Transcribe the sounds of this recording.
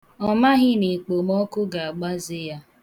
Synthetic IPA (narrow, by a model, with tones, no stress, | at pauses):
ɔ˦ma˦ɦɪ˦ne˨k͡po˨mɔ˦kʊ˦ɡa˨a˨ɡ͡ba˦zɪ˦ja˦